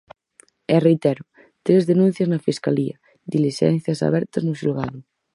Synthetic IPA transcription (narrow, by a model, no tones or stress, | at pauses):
ɛrejt̪ɛɾʊ | t̪ɾezðenũn̟θjaznafiskaliɐ | d̪iliʃɛ̰n̟θjasa̰β̞ɛɾt̪aznuʃilɣaðu